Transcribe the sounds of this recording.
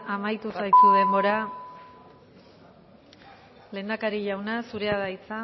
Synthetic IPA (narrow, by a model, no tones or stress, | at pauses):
amajt̪usajt̪uðe̞mbo̞ɾa | le̞ːnd̪akaɾiʎawnasuɾe̞aðajt͡sa